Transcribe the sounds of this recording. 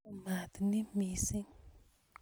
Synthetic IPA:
ma˨t̪i˨ni˦mi˨si˦ŋ

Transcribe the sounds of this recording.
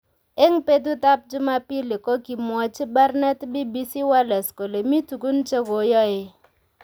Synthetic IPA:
e˦ŋpe˦tu˦ta˦p̚d͡ʒʊ˦ma˦pi˦lɪ˨kɔ˦ki˨mwɔ˨t͡ʃɪ˦ba˦ɾnɛ˦tbi˦bi˦si˦wa˦lɛ˨sko˨le˨mi˦tu˨ku˦nt͡ʃe˦ɡo˨jɔ˦ɪ˨

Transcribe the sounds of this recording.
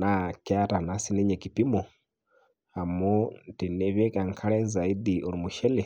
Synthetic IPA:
na˨kjata˨nasi˦ni˦ɲe˨kipimo˨ | a˨mu˦ti˨neβje˦ka˨ŋkʰa˦ɾe˦nza˨i˦dio˨ɾi˨muʃe˦le

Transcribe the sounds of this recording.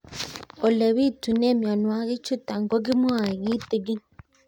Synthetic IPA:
o˨le˨βi˦tu˨neː˦˨mja˨nwa˦ɣi˦t͡ʃu˦ta˨ŋɡo˦ɡi˦mwa˦˨ɣi˦ti˨ɡi˦

